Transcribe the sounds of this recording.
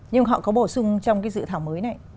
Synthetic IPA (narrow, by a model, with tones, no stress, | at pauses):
ɲɨ˧ŋɦɔ̰˧˨kɔ˨˦ɓo˧˩sʊ˧ŋ͡mt͡ɕɔ˧wŋ͡mkaː˨˦jzɨ̰˧˨t̪ʰaː˧˩wməː˨˦jna˨˧˩j